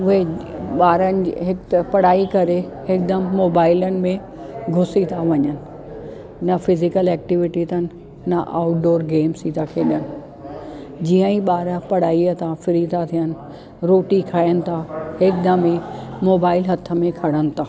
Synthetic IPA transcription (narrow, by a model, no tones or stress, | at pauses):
ʊɦeɓaːɾənɪ̆d͡ʑɦɪkt̪ɐpɐɽ̤aːikɐɾe | ɦɪk̚d̪ɐmːoːbaːɪlənɪ̆mẽ | ɡʱʊsit̪ʰaʋɐɲənɪ̆ | nɐfɪzɪkəlɛːk̚ʈɪʋɪʈit̪ʰənɪ̆ | nɐʔa̰ːʊʈ̚ɖoːɾɡeːmsit̪ʰakʰeːɗənɪ̆ | d͡ʑiə̃ĩɓaːɾəpɐɽ̤aːiət̪ʰafɪɾit̪ʰat̪ʰijənɪ̆ | ɾoːʈikʰaːjənɪ̆t̪ʰaɦɪk̚d̪ɐmĩmoːbaːɪlɦɐt̪ʰə̆mẽkʰɐɽənɪ̆t̪ʰaː